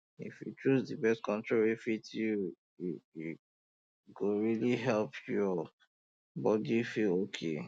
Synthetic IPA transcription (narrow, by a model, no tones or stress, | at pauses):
ḭfjṵt͡ʃuzdibɛstkɔ̃ntɹoɹiifit | ɡoɹiliɦɛlpʰjɔ | bɔdifilokʰḛ